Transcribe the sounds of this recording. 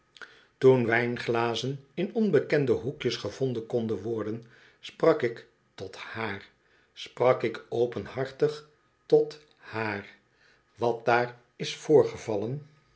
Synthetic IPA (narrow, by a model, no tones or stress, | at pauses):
tunʋɛjnχlaːzənɪnɔnbəkɛndəɦukjəsχəv̥ɔndənkɔndənʋɔɹdən | sprɑkɪk | tɔthaːr | sprɑkɪkowpənhɑɹtəχ | tɔt | haːr | ʋɑt̚daːr | ɪsfʊːɹχəvɑlən